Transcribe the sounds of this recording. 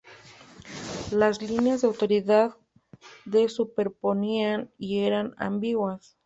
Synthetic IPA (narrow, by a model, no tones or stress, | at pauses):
lazlinjazðeawt̪o̞ɾiðað | ðesupe̞ɾpo̞nianie̞ɾana̰mbiɣwas